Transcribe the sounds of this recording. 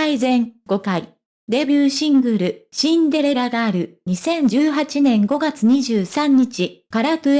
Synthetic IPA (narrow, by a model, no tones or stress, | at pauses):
aizẽ̞ŋɡ̥o̞kaḭ | d̪e̞bʲjɨːɕĩŋɡɯ̟ɾɯ̟ɕĩnd̪e̞ɾe̞ɾaɡaːɾɯ̟ɲ̟isẽ̞ɲ̟d͡ʑɨːɦat͡ɕinẽ̞ŋɡo̞ɡat͡sɨɲ̟iʑɨːsãɲ̟ːit͡ɕikaɾat̪ɯ